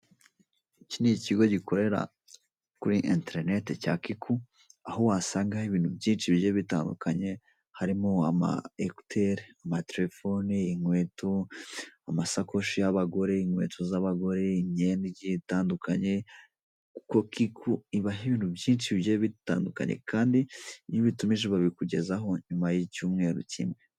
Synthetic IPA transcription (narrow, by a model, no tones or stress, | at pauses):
iciniciɡo̞ɟiko̞ɾe̞ɾa̰ | kuɾiʔinteeɾnetecaːkikʰu | aɦowaːsaːŋɡahiβiːn̥hubjiːnʃiβjeβitaːndṵkaɲe̞ | haɾimoama̰eku̥tʰeɾamateɾefoniːŋwe̞ːtoamasakʰo̞ʃijaβaɡo̞ɾe̞iŋwe̞̰ːtʰozaβaɡo̞ɾe̞iɲeniɟitaːndukʰaɲe̞ | kuko̞kikʰuiβaɦiβiːnhubjiːnt͡ʃiβjeβita̰ːnduka̰ɲḛkʰaːndiɲiβitumiʒeβaβikuɟe̞̰zaɦo̞ɲumajicuːmŋe̞ːɾṵcḭmŋe̞